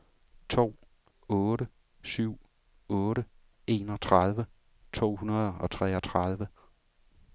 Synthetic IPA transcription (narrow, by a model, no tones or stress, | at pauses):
t͡sʰo̝̰ː | ɔːɾə | syʊ̰ | ɔ̽ːɾə | e̝̰ːnɒ̽t͡sʰʁɑðˠʋə | t͡sʰo̝̰ːhunɐð̩ˠɒ̽t͡sʰʁɛːɒ̽t͡sʰʁɑðˠʋə